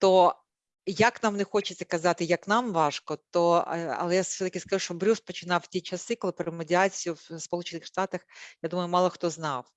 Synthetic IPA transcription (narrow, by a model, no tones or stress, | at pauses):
t̪ɔ | jɐknɑmnɛxɔt͡ʃɪ̥t͡sʲːɐkɐzɑt̪ɪjɐknɑmʋɑʂkɔt̪ɔɐ̰lˠɛjasʲɛt̪ɐkʲɪskɐʐuʃt͡ʃɔbɾʲuspɔt͡ʃɪnɑwtʲit͡ʃɐsɪkɔlˠɪpɾɐɪmedʲɪɑt͡sʲijʊwspɔlˠut͡ʃɪnɪxʂt̪ɑt̪ɐxjad̪umɐjʊmɑlˠɐxt̪ɔznɑw